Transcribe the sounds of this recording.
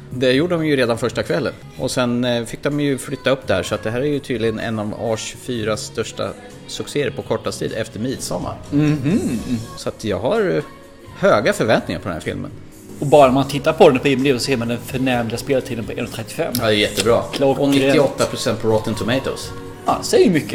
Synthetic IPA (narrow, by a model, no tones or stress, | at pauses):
d̪ɛjuːɖəd̪ɔmjɵɾeːd̪anfœʂʈakʰvɛlːə̰n | ʔɔsɛnfɪk̚d̪ɔmjɵflʏt̪ːaɵpːd̪ɛhæːʂɔat̪̚d̪ɛɦæːɾæɾjɵt̪ʰyːd̪lɪɡənɛ̰nːɑvɑːʂɵ̥fyːɾast̪œʂʈa̰ | sɵkseːɛɾpʰɔkʰɔʈːast̪ʰḭːd̪ɛft̪əɾmiːd̪sɔmːa̰ɾ̩ | sɔat̪jɑːɡhaɾ | høːɡafœɾvɛnt̪nɪŋa̰ɾpɔd̪ɛnhæ̰ːɾfɪ̰lmʔə̰n | ɔbɑːɾanmant̪ʰɪt̪ːaɾpʰɔd̪ɛnpʰɔɪmd̪iːsɔseːɾmand̪ɛnfœɳɛɾmlɪaspeːlat̪ʰiːd̪ənpʰɔɛnːat̪ʰɾɛt̪ːɪfɛmːɑd̪ɛjɛt̪ːəbɾɑːkʰlɔɔnɪt̪ːɪɔt̪ːapʰɾʊsɛnt̪pʰɔɾɔt̪ːənt̪ʰʊmɛɪt̪ɔ̰s | ɑd̪sɛjəmʏkːə